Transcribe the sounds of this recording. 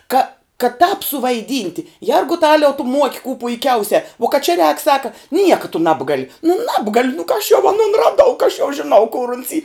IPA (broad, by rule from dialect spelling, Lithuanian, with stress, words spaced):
kɐ kɐ tɑːp sʊʋɐɪˈdʲiːnʲtʲɪ ˈjɛrɡʊtɐlʲɛʊ tʊ muɔkʲ kuː pʊɪˈkʲɛʊsʲɛ uɔ kɐt t͡ʃʲɛ rʲɛːk ˈsɑːkɐ ˈnʲiɛkɐ tʊ ˈnɑːbɡɐlʲɪ nʊ ˈnɑːbɡɐlʲʊ nʊ kɐ ɐʃ jɛʊ ɐˈnʊn rɐˈdɐʊ kɐ ɐʃ jɛʊ ʒʲɪˈnɐʊ kʊr ʊns iː